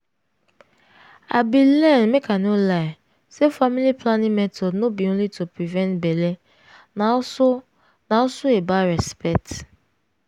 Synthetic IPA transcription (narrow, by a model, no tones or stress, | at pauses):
a̰bilɛ̃nmekʰanola | sefamiliplanĩmɛtʰɔdnobiõnlitupɹivɛ̃ntbɛle | nas | naɔsoebaɾɛspɛk̚t